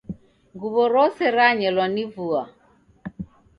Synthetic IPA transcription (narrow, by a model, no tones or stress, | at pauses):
ɡuβɔɾɔsɛɾaɲɛlwanivua